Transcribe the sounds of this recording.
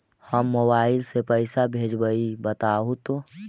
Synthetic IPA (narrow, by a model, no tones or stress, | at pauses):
həmːobaːɪlsepəɪsabʱeːd͡ʒbəibət̪aːɦot̪o